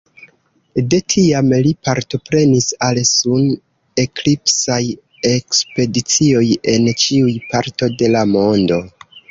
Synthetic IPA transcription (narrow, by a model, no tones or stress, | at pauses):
de̞tʰiamlipaɾto̞pɾe̞nisalsun | e̞klipsaj | e̞kspe̞dit͡sio̞je̞nt͡ʃiujpaɾto̞de̞lamo̞ndo̞